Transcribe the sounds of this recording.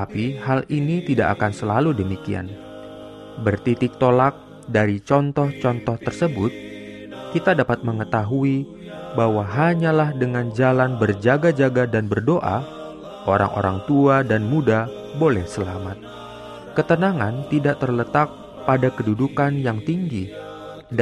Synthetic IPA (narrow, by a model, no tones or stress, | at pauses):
apiɦalinit̪ida̰ʔa̰kansəlaludəmikia̰n | bərt̪it̪ɪk̚t̪olak̚ | daɾit͡ʃɔnt̪ɔht͡ʃɔnt̪ɔht̪ərsəbʊt̪̚ | kit̪adapat̪̚məŋət̪aɦui | baɦwaɦaɲalahdəŋand͡ʒalanbərd͡ʒaɡad͡ʒaɡadanbərdoʔa̰ | ʔoɾa̰ŋʔo̰ɾaŋt̪uadanmuda | bolɛhsəlamat̪̚ | kət̪ənaŋant̪idaʔt̪ərlət̪ak̚ | padakədudukanjaŋt̪iŋɡi